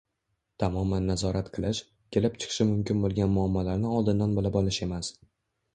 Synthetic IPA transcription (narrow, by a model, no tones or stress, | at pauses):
t̪ʰamɒmanːazɒɾʔat̪qʰɨlˠɪʃ | kʲʰe̞lɪpt͡ʃʰɨ̥qʰɨ̥ʃɪmʊmkʲɪnbolˠɡʲanmʊamːɒlaɾnɪɒlˠd̪ɪnd̪anbolɪbɒlɪʃe̞mas